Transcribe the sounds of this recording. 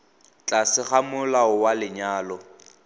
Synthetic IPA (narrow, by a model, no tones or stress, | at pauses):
t͡ɬʼasɪχamʊlaʊwalɪɲaːlɔ